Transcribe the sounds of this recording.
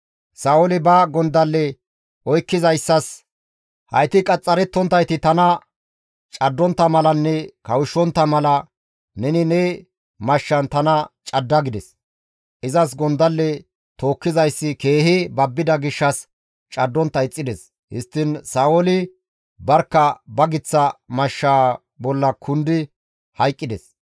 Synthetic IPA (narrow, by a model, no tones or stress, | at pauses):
saːɔlɪbɐɡɔnd̪ɐlːɛ | ʔɔjkːɪzɐjsːɐs | hɐ̰jt̪ɪkʼɐt͡sʼːɐɾɛt̪ːɔnt̪ːɐjt̪ɪt̪ɐnɐ | t͡ʃʼɐd̪ːɔnt̪ːɐmɐlɐnːɛkɐwɪʃːɔnt̪ːɐmɐlɐ | nɛnɪnɛ | mɐʃːɐnt̪ɐnɐt͡ʃʼɐd̪ːɐɡɪd̪ɛs | ʔɪzɐs̬ɡɔnd̪ɐlːɛ | t̪o̞ːkːɪzɐjsːɪke̞ːhɪbɐbːɪd̪ɐɡɪʃːɐs | t͡ʃʼɐd̪ːɔnt̪ːɐɪt͡sʼːɪd̪ɛs | hɪ̰st̪ːɪnsaːwɔlɪ | bɐɾkːɐbɐɡɪt͡sːɐmɐʃːaː | bɔlːɐkʰʊnd̪ɪ | hɐjkʼːɪd̪ɛs